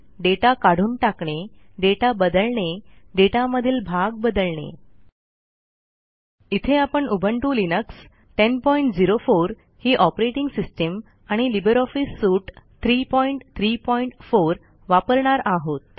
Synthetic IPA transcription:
ɖeʈakaɽ̤uːnʈakɳeɖeʈabəd̪əlɳeɖeʈaməd̪ʱiːlbʱaɡbəd̪əlɳḛ | it̪ʰeapəɳubʱəɳʈuːlinəks | ʈenpɔiɳʈd͡ziɾofoɾ | hiːʔɔpɾeʈiŋɡsisʈəm | aɽ̃ilibəɾɔfisːuʈt̪ʰɾipɔiɳʈt̪ʰɾiːpɔiɳʈfoɾ | ʋapəɾɳaɾaɦot̪̚

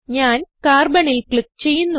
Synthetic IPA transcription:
ɲaːnkaːrbɐɳilkɭɨkt͡ɕe̞jːunːu

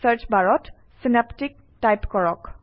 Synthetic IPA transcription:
səɹt͡ʃbaɹɔt | sinaptik̚ | tajpkɔɹɔk

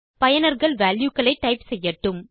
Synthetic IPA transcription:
pɐjɐnɐɾɣɐɭʋaːljukːɐɭɐɪʈːɐɪpsɛjːɐʈːɯm

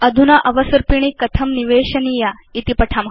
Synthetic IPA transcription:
ɐd̪ʱunaʔɐʋɐsɐɾpiɳ̃ikɐt̪ʰɐmniʋeːɕɐnija | it̪ipɐʈʰam

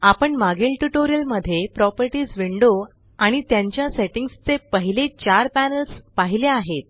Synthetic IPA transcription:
apəɳmaɡilʈuʈoɾijəlməd̪ʱːjepɾɔpəɾʈiːd͡zʋiɳɖo | aɽ̃it̪jaɲt͡ɕjaseʈiŋɡst͡sepəɦilet͡ɕaɾpænəlspaɦileaɦet̪̚

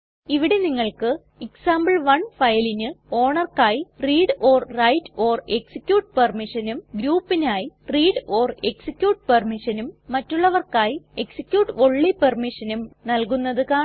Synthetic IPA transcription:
iʋiɽe̞niŋːɐɭkɨ | iksaːmbɐɭʋɐɳfɐjɐlinɨo̞ːɳɐrkaːjiriːɽo̞ːrrɐjtːo̞ːre̞ksikʲːjuːʈ̚pɐrmiʂɐnumɡɾuːpːinaːjiriːɖo̞ːre̞ksikʲjuːʈpɐrmiʂɐnumːɐtːuɭːɐʋɐrkaːjie̞ksi̥kʲːjuːʈːʋo̞ɭːipɐrmiʂɐnumnɐlkunːɐðɨkaː

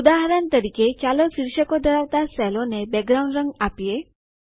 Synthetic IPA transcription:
ud̪aɦaɾant̪əɾiket͡ʃaloksiɾʃəkod̪ʱəɾaʋt̪asɛlonebɛɡɾaw̃ɳɖɾəŋɡapije

